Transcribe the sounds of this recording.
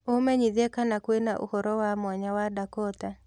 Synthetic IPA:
omɛɲiðekanakwenaʔṵhɔɾɔwamwaɲawadakɔta

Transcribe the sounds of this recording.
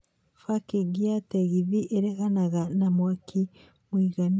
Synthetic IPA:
fakiɡiateɣiðiʔeɾeɣanaɣanamwakʰi | mwiːɣan

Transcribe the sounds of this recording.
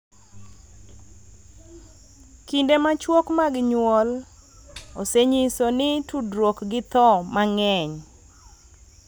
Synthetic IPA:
kindemat͡ʃwokmaɡɲwɔl | oseɲisonɪtudɾwokɡɪt̪ɔmaŋɛɲ

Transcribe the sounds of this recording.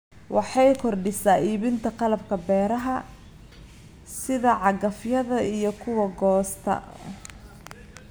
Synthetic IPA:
wɑħɑjkʰɔrɖɪsaːiːβɪnt̪ʰɐqɑlɐbkʰɐbɛːɾɐɦɐ | sɪðɐʕɑɡɐfjɐðɐijɞkʰʊwɐɡɔːst̪ʰɐ̰

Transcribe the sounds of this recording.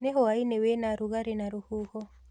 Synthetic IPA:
neɦɔainewenaɾuɣaɾenaɾuhuhɔ

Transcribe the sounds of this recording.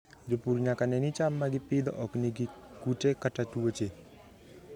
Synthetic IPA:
d͡ʒopuɾɲakanɛnit͡ʃamːaɡɪpɪd̪ɔ̰ʔɔkniɡikutekatatuwot͡ʃe

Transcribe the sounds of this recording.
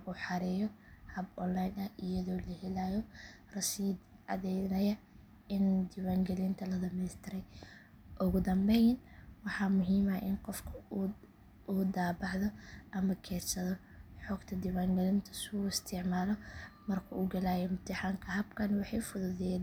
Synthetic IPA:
ʔuːħɑɾɛːjɔhɐbɔnlajnɐhʔɪjɐðɔːlɐhɛlaːjɔ | rɐʃiːd̪ | ɑ̰ðɛjnɐjɐ | ɪnd̪ɪwaːŋɡɛlɪnt̪ʰɐlɐd̪ɐmɛst̪ʰɪɾɛj | ʔʊɣʊd̪ɐmbɛjnwɑħɑːmʊɦiːmɐʔɪnqɔfkʰɐ | uːd̪aːbɑʕðɔʔɐmɐkʰɛːrsɐðɔ | ħɔːɡt̪ʰɐd̪ɪwaːŋɡɛlɪnt̪ʰɐ̥sʊɪst̪ʰɪʕmaːlɔmɐrkʰɐuːɡɐlaːjɔmʊt̪ʰɪħaːŋkʰɐɦɐbkʰɐnwɑħɑjfʊðʊðɛ

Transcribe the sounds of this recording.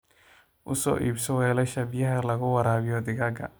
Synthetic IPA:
ʔʊ̰sɔ̰ːʔḭːbsɔwɛːlɛʃɐbɪjɐɦɛlɐɣʊwɑɾaːβɪjɔd̪ɪɣɐɡɐ̰

